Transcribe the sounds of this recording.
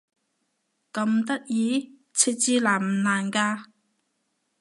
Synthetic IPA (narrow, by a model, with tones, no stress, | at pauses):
kɐ˧mt̪ɐ˥t̚jiː˨˥ | t͡sʰi˧˥t̚t͡siː˧laː˨˩m̩˨˩laː˨˩nkaː˧